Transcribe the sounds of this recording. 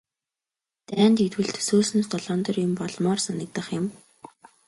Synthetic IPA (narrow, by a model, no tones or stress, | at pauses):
t̪æːnt̪it̪wɘ̆ɮt̪ʰɵ̥soːsnə̆st̪ʰɔɮɔːnt̪ɞ̆rjʊmpɔɮmɔːrsanə̆k̚t̪ə̆χjʊ̆m